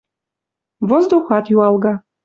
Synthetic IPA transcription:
vɔzd̪oxat̪jualɡa

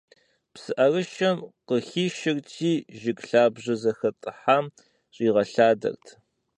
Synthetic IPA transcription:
psɨʔɐrɨʃɐmqəxiːʃɪrtʰiːʒɪkʼɬaːbʑɐzɐxɐtʼɨħam | ɕʼiːʁɐɬaːdɐ̰rtʰ

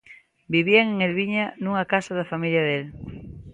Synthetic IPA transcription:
biβiaŋeŋelβiɲanuŋakasaðafamiljaðel

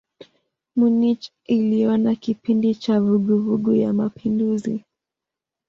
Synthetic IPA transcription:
munit͡ʃ | iliɔnakipindit͡ʃavuɠuvuɠujamapʰinduzi

